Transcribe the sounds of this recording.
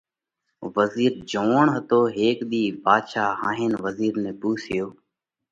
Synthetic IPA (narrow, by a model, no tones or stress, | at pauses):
ʋəziːɾd͡ʒoːɳɦət̪oːɦeːkɗ̪iːbaːd̪ʃaːɦaːɦɪːnʋəziːɾnẽːpuːsɪjoː